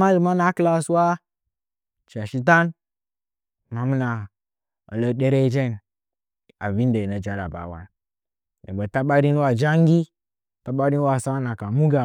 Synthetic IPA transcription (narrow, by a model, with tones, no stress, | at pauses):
ma˦li˨ma˦na˦kla˦swa˦ | t͡ʃa˨ʃi˦t̬a˦n | ma˨mu˦na˨ | ə̰˨lə˨ɗe˦ɾe˦d͡ʒe˦˨n | a̰˨vi˦n˦de˨nə˨d͡ʒa˨ɾa̰˨ba̰˨wa̰˦n | nḛ˨bə˨ta˦ɓa˦ɾi˦n˦wa˦d͡ʒa˦ŋ˦ɡi˦ | ta˦ɓa˦ɾi˦n˦wa˦˨sa˦na˨ka˨mu˦ɡa˨